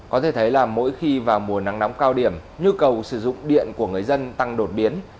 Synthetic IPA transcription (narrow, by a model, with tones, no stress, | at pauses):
kɔ˨˦t̪ʰe˧˩t̪ʰjlaː˨˩mːo̰˧˥jxi˧vaː˨˩wmu˨˩əna˨˦ŋna˨˦wŋ͡mkaː˧wɗi˧˩əmɲu˧kə˨˩wsɨ˧˩zʊ̰˧˨ŋ͡mɗḭ˧˨ənku˧˩əŋɨ˨˩əjzə˧nt̪a˧ŋɗo˨˩t̚ɓi˨˦ən